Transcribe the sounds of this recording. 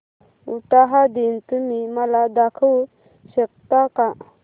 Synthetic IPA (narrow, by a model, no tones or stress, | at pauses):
uʈaɦad̪int̪umimalad̪akʰəw | ɕək̚t̪aka